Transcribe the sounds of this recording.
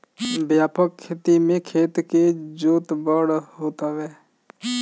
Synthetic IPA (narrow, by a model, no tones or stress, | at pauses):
bjaːpəkʰːeːt̪imẽkʰeːt̪ked͡ʒoːt̪bəɽɦoːt̪aʋɛː